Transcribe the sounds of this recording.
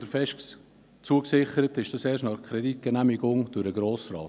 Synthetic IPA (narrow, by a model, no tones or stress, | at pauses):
d̥əɾfɛʃ | t͡suəksɪχəɾətɪʃd̥ɑseːɾʃtnɑχkʰɾɛdit̚ɡ̥ənæmɪɡʊŋd̥ʊɾəɡɾoːsrɑ̰ː